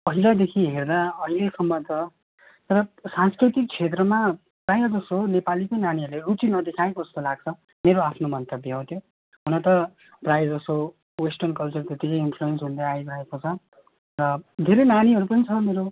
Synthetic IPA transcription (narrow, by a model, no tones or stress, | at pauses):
ʌɦilad̪ekʰiɦerd̪aʌɦilesʌmːʌt̪ʌ | t̪ʌɾʌsanskrit̪ik̚t͡sʰet̪̬rʌma | pajʌd͡zʌsonepalikʌjnaniʌrleut͡sinʌd̪ekʰaekod͡zʌst̪olaɡ̚t͡sʰʌ | meɾoapʰnomʌnt̪ʌbiɦʌ̃w̃t̪ʰjo | ɦunʌt̪ʌ | prajd͡zʌso | wesʈʌrnkʌlt͡surt̪et̪ːikʌjinpʰluensɦund̪aajɡɾaekot͡sʰʌ | rʌd̪ʱeɾʌjnaniɦʌɾupʌnit͡sʰʌmeɾo